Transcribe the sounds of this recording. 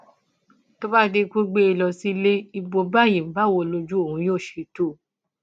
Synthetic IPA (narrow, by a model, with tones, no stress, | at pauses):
to˦ba˦de˧ku˦ɡ͡be˧˦i˧˨lɔ˨˧si˦˧le˦i˧bo˧ba˦˨je˨˦ba˦˨wo˧˨lo˧d͡ʒu˦o˨hũ˨˦j̃o˦˨ʃe˨˦to˦˨